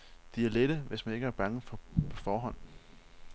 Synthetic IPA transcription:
d̥iæɐled̥əʋesmæne̝ɡ̥əæɐb̥ɑ̈ŋəfɒ̽pʰɒ̽fɒːɦɒ̽n̰

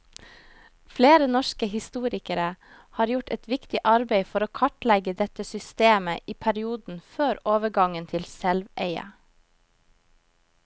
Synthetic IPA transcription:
fleːɾənɔʃkəhɪst̪uːɾɪkəɾə | hɑːɾjʊʈɛ̰t̪ʋɪkt̪ɪʔɑɾbeɪfɔɾoːkʰɑʈlɛɡəd̪ɛt̪əsʏst̪eːməʔiːpʰæɾɪuːd̪n̩føːɾoːʋəɡɑŋənt̪ʰɪlsɛlʋeɪə̰

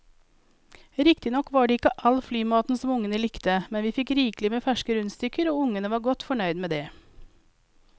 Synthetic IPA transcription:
ɾɪkt̪ɪnɔkʋɑːɖeːɪkəʔɑlflyːmɑːt̪n̩sɔmʊŋənəlɪkt̪əmɛnʋiːfɪkɾiːklɪmeːfæʃkəɾʉnst̪ʏkəɾoːʊŋənəʋɑːɾɡɔt̪fɔɳœʏd̪meːd̪eː

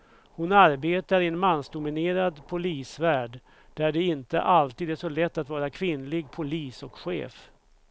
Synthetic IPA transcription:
hʊnaɾbeːt̪aɾɪɛnmansd̪ʊmɪneːɾad̪pʰʊliːsvæːɖ | ɖæɖɛɪnt̪ə̰ʔalt̪iːd̪æʂɔlɛt̪ːat̪vɑːɾakʰvɪnlɪɡ̚pʰʊliːsɔkɧḛːf

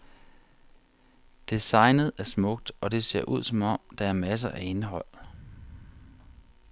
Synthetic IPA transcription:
d̥e̝sɑ̈ɪ̰nð̞̩ˠæɐsmɔ̽ɡ̥̚d̥ʔɒ̽d̥e̝se̝̰ɐʔuð̞̰ˠsɒ̽mɒ̽m̰d̥ɑ̈æɐmæs̬ɐʔæe̝nɦɒ̽l̰

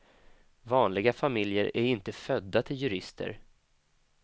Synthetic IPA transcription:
vɑːnlɪɡafamɪljəɾæɾɪnt̪əfœd̪ːat̪ʰɪljɵɾɪst̪ʰə̰ɾ

